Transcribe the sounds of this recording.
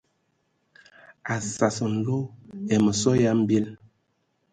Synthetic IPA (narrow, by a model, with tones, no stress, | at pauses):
a˨sa˨sə˨n̩˨lo˦ɛ˨mə˨sɔ˦ja˦m̩˦be˦l